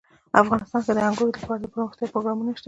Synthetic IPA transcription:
afɣɑnɪst̪ɑnk̪ad̪əaŋɡojolapɑɾad̪əpəɾməxt̪jɑpɾoɣɾɑmunaʃt̪a

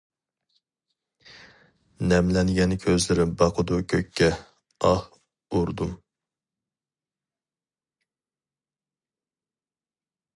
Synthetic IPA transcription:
nɛmlɛnɡʲɛnkʲʰøzlɪɾɪbɑqʰəd̪ukʲʰøkʲʰːɛ | ɑh | uɾd̪um

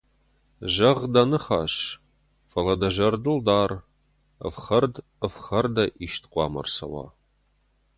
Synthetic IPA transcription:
ʒɐʁdɐnɨχaːɕ | fɐlɐdɐʒɐrdɨldaːr | ə̰fχɐrd | əfχɐrdɐʔiʃtʰqʷɑːmɐ̰rsɐ̰wɑ̰ː

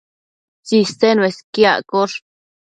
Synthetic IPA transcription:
t͡ʃist̪enweskja̰koʂ

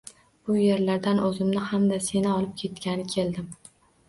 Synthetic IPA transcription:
b̥ʊje̞ɾlaɾd̪anɵzɪmnɪhamd̪ase̞nɪɒlˠɪp̚kʲʰe̞t̪kʲanɪkʲʰe̞ld̪ɪm

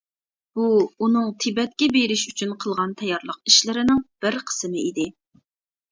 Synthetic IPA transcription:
b̥uunɨŋt̪ʰɪbɛt̪̚kʲɛbeɾɪʃyt͡ʃʰynqʰəlˠʁɑnt̪ʰɛjɑɾlˠəqiʃlɪɾɪnɪŋb̥ɪɾqʰə̥sɨmɪid̪ɪ

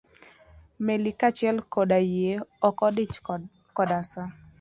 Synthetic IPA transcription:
melikat͡ʃɪɛlkodajeɔkɔdɪt͡ʃ | kɔdasa

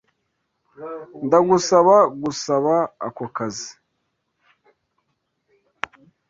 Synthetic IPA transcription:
ndaɡusaβaɡusaβa̰ːkokazi̥

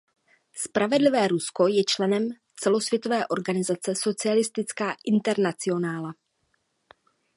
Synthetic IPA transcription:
spɾavɛdlɪvɛːɾusko̞jɛt͡ʃlɛnɛm | t͡sɛlo̞svjɛt̪o̞vɛːʔo̞ɾɡanɪzat͡sɛso̞t͡sɪalɪst̪ɪt͡skaːʔɪnt̪ɛɾnat͡sɪo̞naːla

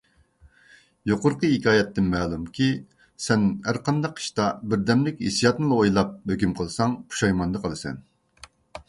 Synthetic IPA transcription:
joqʊɾqəɦikʲʰɑːjɛt̪ːɪnmɛːlˠumkʲʰi | sɛnæɾqʰɑnd̪ɑqi̥ʃt̪ɑbɪɾd̪ɛmlɪkʲhḭsijɑt̪nɨlˠɑojlˠɑp̚høkʲymqʰəlˠsɑŋpʰu̥ʃɑjmɑnd̪ɨqʰəlˠɨsɛ̰n

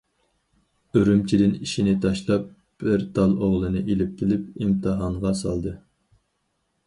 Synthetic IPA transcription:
øɾymt͡ʃʰid̪ɪniʃinɪt̪ʰɑʃlˠɑp̚ | b̥ɪɾt̪ʰɑlˠoʁlˠɨnɨʔelɪp̚kʲelɪpimt̪ʰɨɦɑɴʁɑsɑ̰lˠd̪ɨ

